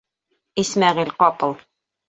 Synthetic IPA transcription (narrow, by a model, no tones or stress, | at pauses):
ismæʁilqɒpɤ̆lˠ